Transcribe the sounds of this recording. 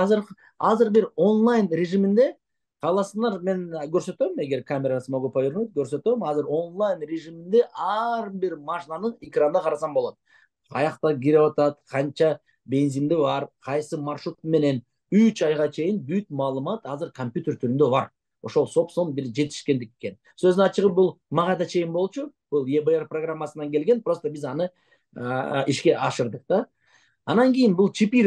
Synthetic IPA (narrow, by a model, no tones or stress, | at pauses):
ɑzɯɾ | ɑzɯɾbiɾo̞nlˠajnɾʲeʒimind̪e̞ | qʰɑːlˠɑsɯɴɑɾme̞nɡøɾsø̞t̪øme̞ɡe̞ɾkʰamʲeɾasɯmɑɡøpɑjoɾnot̪̚ɡøɾsø̞t̪ø̞mɑzɯɾo̞nlˠajnrʲeʒimind̪e̞ʔɑɾbiɾmaʃnanɯnekrand̪ɑqʰɑɾɑsɑmboot̪ | ɑ̰jɑqt̪ɑɡiɾewɑt̪ɑt̪qʰɑnt͡ʃɑ | bʲe̞nzimd̪iβɑɾqʰɑjsɯmɑrʃut̪me̞ne̞n | yt͡ʃɑjʁɑt͡ʃʰe̞jɪnbyt̪̚mɑːlˠɯmɑt̪ɑzɯɾkʰomʲpʲjut̪ʲeɾt̪ʰyɾynd̪ø̞βɑɾ | o̞ʃo̞lˠso̞pso̞mbiɾd͡ʒe̞t̪i̥ʃkʲe̞nd̪ikeke̞n | sø̞zɑt͡ʃɯʁɯp̚bulˠmɑʁɑjd̪ɑt͡ʃʰe̞jɪnbo̞lˠt͡ʃub̥ulˠjebəerproɡramːasɯnɑŋke̞lɡe̞npɾo̞st̪obizɑnɯ | iʃkʲe̞ʔɑʃɯɾd̪ɯq̚d̪ɑː | ɑnɑŋɡʲijɪnbulˠt͡ʃʰipʲi